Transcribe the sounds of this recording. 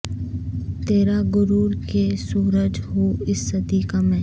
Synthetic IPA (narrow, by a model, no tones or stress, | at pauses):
t̪eːɾaɡʊɾuːɾkesuːɾəd͡ʒɦoɪsːɐd̪iːkamẽ